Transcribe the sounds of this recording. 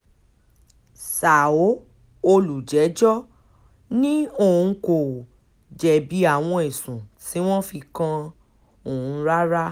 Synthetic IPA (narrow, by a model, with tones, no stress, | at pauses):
sa˨o˨˦ | o˧lu˨d͡ʒɛ˨˦d͡ʒɔ˦ | nĩ˦o˦˨ũ˨˧ko˨ | d͡ʒɛ˨bi˨˦a˦˨w̃ɔ̃˧e˨sũ˨ti˨˦w̃ɔ̃˦fi˧kã˧ | o˦˨ũ˨˦ɾa˦ɾa˦